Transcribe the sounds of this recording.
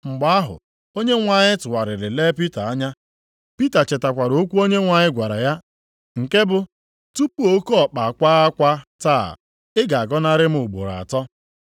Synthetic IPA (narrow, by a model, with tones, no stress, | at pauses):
ŋ͡m̩˨ɡ͡ba˨a˦ɦʊ̰˨ | o˦ɲe˦ŋʷa˨ɲɪ˦tʊ˨wa˨ɾɪ˨ɾɪ˨le˦pi˦ta˨a˦ɲa˦ | pi˦ta˨t͡ʃe˨ta˨kʷa˨ɾo˦kʷu˦o˦ɲe˦ŋʷa˨ɲɪ˦ɡʷa˨ɾa̰˨ja˦ | ŋ̩˨ke˦bʊ˨ | tu˦pu˦o˦ko˦ɔ˨k͡pa˨kʷa˦a˦kʷa˦ta̰ː˦˨ | ɪ˦ɡa˨a˨ɡɔ˦na˦ɾɪ˦m̩˦ʊ˨ɡ͡bo̰˨ɾa̰˨tɔ˦